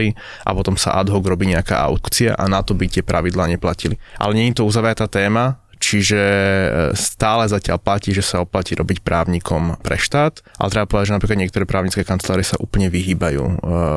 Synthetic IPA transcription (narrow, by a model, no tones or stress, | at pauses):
i | ʔa̰pɔt̪ɔmsa̰ʔad̪ɦɔɡɾɔbiːɲɛaka̰ːʔa̰ʊkt͡sia̰ʔanat̪ɔbit̪ɪɛpɾʔa̰ʋid̪laːɲɛplaciliʔa̰lɛɲɛɲit̪ɔuzaʋɾat̪aːt̪ɛːma | t͡ʃiʒɛ | st̪aːlɛzacɪa̰lplaciːʒɛsaɔplaciːɾɔbicpɾa̰ːʊɲiːkʰɔmpɾɛ̰ʃt̪aːt̪ʔa̰lɛt̪ɾɛbapɔʋɛd̪aɟd͡ʒʒɛnapɾikad̪ɲjɛkt̪ɔɾɛːpɾaːʊɲit͡skɛːkant͡slaːɾisaʔuːpl̩ɲɛʋiɦiːbajṵː